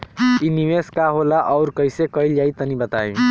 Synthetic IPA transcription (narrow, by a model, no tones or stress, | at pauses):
iniweskaɦolaʔʌʊɾkʌjsekʌiljait̪ənibət̪aj